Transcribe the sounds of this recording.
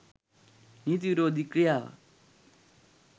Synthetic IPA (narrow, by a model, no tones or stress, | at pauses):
nit̪̬iɾod̪ʱikɾija̰